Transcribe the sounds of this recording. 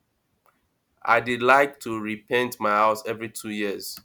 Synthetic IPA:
ʔa̰ɪdidlaɪk̚tʰuɹipʰɛ̃ntmaɪhaʊsɛvɹitʰujiəz̥

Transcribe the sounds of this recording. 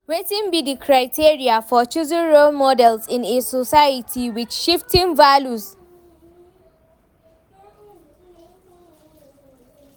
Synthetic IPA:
wetɪ̃nbidikʰɹaɪtʰiɹiafɔt͡ʃuzɪ̃nɹolmɔdɛlzɪ̃nesɔsajatʰiwɪdʃɪftʰɪ̃ŋvalus

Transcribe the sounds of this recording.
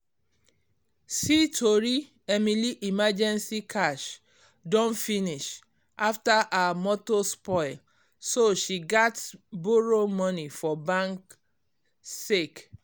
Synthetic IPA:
sitʰoɹi | ɛmiliʔimad͡ʒɛ̃nsikʰaʃ | dɔ̃nfiniʃ | ʔaftaʔamɔtospɔɪl | soʃiɡatboɹomɔnifɔbãŋk | sek

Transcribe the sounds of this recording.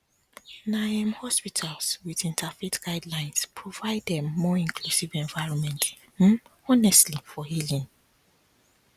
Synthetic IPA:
naãmhɔspitʰalswiðĩntʰafitɡ̥aɪdlãɪ̃nspʰɹovaɪdɛ̃mːɔĩŋkʰlusivɛ̃ɱvaɪɹɔ̃nmɛ̃nt | m̩ɔnɛstlifɔhilĩŋ

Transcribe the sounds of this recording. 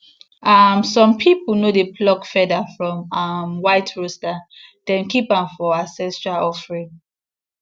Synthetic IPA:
amsɔ̃mpʰipənodeplɔkfɛdafɹɔ̃mamwaɪtʰɹostad̥ɛ̃nkipãmfɔasɛstɹaɔfɹĩŋ

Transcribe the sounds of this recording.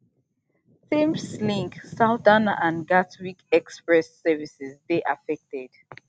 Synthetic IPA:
θĩmslĩŋksaʊtanãnɡatwikɛkspɹɛsːɛvisɛzdeʔafɛk̚tɛd̥

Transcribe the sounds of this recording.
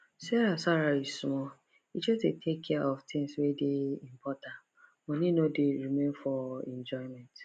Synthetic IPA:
sɛɾasaɾaismɔ | id͡ʒɔzdetʰekʰːɛɔft̪ʰɪ̃ŋswedeĩmpʰɔtãn | mɔ̃ninodeɾimẽnfɔɛ̃nd͡ʒɔɪmɛ̃nt

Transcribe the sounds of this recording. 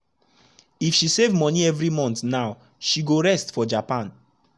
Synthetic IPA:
ifʃisevmɔniɛvɹimɔ̃ntnaʊ | ʃiɡoɹɛstfɔd͡ʒapãn

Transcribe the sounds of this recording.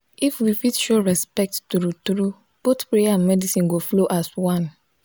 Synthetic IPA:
ifwifitʃoɹɛspɛk̚ttuɾutɾu | b̥otpɹejaãnmɛdisĩnɡofloʔaswãn

